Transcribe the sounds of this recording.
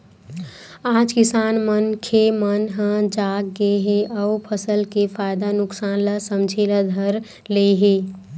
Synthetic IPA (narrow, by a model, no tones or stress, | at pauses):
aːd͡ʒkisaːnmənkʰemənɦə̃d͡ʒaːk̚ɡeɦeʔəupʰəsəlkefʰaːjd̪anʊksaːnlasəmd͡ʒʱelad̪ʱəɾ | leɦe